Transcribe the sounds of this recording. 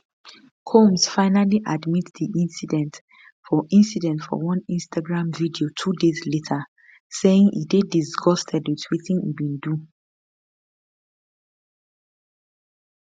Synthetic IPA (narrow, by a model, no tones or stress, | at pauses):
kʰomsfaɪnaliʔadmitðiʔĩnsidɛ̃nt | fɔʔĩnsidɛ̃ntfɔ̰wʌ̃nĩnstaɡɹãmvidiotʰudezletʰə | seɪ̃ŋḭdedisɡɔstʰɛdwitʰwiθĩŋḭbĩndu